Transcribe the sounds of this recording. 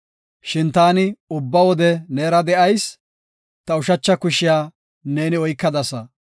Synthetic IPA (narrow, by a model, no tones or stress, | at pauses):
ʃɪnt̪aːnɪʊbːɐwɔd̪ɛneːɾɐd̪ɛʔɐjs | t̪ɐʊʃɐt͡ʃːɐkʊʃɪjaː | ne̞ːnɪɔjkːɐd̪ɐsɐ